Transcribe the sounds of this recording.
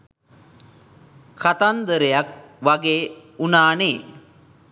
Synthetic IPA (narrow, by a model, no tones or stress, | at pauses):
kat̪and̪əɾejak̚ | ʋaɡeːunaːneː